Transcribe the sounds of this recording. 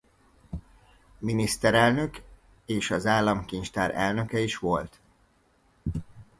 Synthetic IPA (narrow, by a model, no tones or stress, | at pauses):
minist̪ɛɾɛlnø̞k | eːʃɒzaːlːɒmkint͡ʃt̪aːɾɛ̰lnø̞kɛiʃʋo̞lt̪